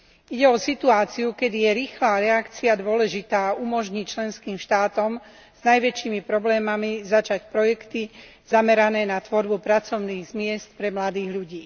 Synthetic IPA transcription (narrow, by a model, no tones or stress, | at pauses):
iɟɛɔsit̪uaːt͡siukɛd̪ijɛɾiːxlaːɾɛakt͡siad̪ʊɔlɛʒit̪aːumɔʒɲict͡ʃlɛnskiːmʃt̪aːt̪ɔm | z̥najʋɛt͡ʃiːmipɾɔblɛːmamizat͡ʃacpɾɔjɛkt̪i | z̥amɛɾanɛːnat̪ʋɔɾbupɾat͡sɔʊniːɣzmɪɛst̪pɾɛmlad̪iːɣʎuɟiː